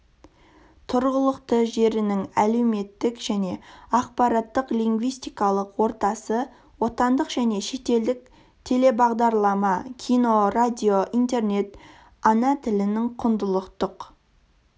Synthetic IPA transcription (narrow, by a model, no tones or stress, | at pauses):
t̪ʰʊɾʁəlˠəqt̪əʒe̞ɾɪnɪŋæle̞wme̞t̪ːɪkʒæne̞ɑqpɑɾɑt̪ːəqliŋɡvijst̪ijkɑlˠəqwo̞ɾt̪ɑsə | wo̞t̪ɑnd̪əqʒ̥æne̞ʃe̞t̪e̞ld̪ɪk̚ | t̪ʰe̞le̞bɑʁd̪ɑɾlˠɑmɑkʲʰijno̞rad̪ʲio̞ʔint̪e̞ɾne̞t̪ | ɑnɑt̪ʰɪlɪnɪŋqʰʊnd̪əlˠəqt̪əq